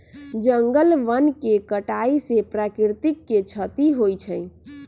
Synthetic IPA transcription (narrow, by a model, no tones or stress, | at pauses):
d͡ʒəŋɡəlʋənkekəʈaisepɾakɾiɾt̪ikːet͡ʃʰət̪iɦojt͡ʃʰəɪ